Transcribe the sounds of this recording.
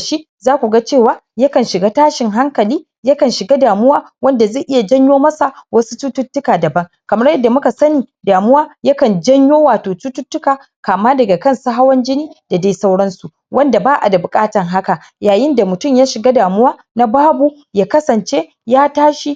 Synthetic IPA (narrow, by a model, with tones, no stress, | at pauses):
ʃi˦ʔ | zaː˦kʷu˨ɡa˦t͡ʃeː˦˨waː˦ | ja˦kɐ˨nʃɪ˨ɡa˦taː˦ʃɪ˨ŋɦa˦ŋkɐ˨liː˦ | ja˦kɐ˨nʃɪ˨ɡa˦daː˨mʊ˦waː˦ | wɐ˦nda˨ze˦˨ʔɪ˦ja˨d͡ʒɐ˦ɲjoː˦mɐ˦sa˨wɐ˦su˦tu˦tʊ˦tːʊ˦kaː˨dɐ˨bɐ˦ŋ | kɐ˨mɐ˦rjɐ˦dːa˨mʊ˦ka˨sɐ˦niː˨daː˨mʊ˦waː˦ja˦kɐ˨nd͡ʒɐ˦ɲjoː˦waː˨toː˨tu˦tʊ˦tːʊ˦kaː˨ | kaː˨maː˦dɐ˨ɡa˨kɐ˦˨nsa˦ɦa˦wɐ˦nd͡ʒɪ˦niː˦d̥a˨da˦jsa˦wɽɐ˦nsu˨ | wʔɐ˦nda˨baː˦ʔa˨da˨bʊ˨kʼaː˦tɐ˨ŋɦa˦ka˨ | jaː˨jɪ˦nda˨mʊ˨tʊ˦˨mjaː˦ʃɪ˨ɡa˦daː˨mʊ˦waː˦ | na˦baː˦bu˨ | jaː˦kɐ˦sɐ˨nt͡ʃe˦ | jaː˦taː˦ʃi˨